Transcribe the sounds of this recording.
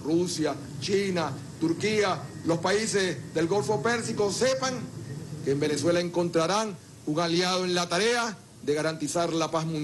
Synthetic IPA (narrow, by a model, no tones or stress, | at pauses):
rusja | t͡ʃina | t̪uɾkialo̞spaise̞sðe̞lɡo̞lfo̞pe̞ɾsiko̞se̞paŋkeːmbe̞ne̞swe̞lae̞ŋko̞nt̪ɾaɾaŋ | uŋaljað̞oẽ̞nlat̪aɾe̞a | ðe̞ɣaɾant̪isaɾlapasmũn